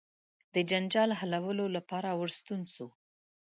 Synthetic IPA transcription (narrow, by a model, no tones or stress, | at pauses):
d̪̥əd͡ʒand͡ʒɑlɦalawəlolapɑɾawəɽst̪unso